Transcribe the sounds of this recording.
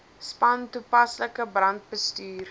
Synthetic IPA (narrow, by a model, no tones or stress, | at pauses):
spɐntupɐsləkəbrɐnt̚bəstyːr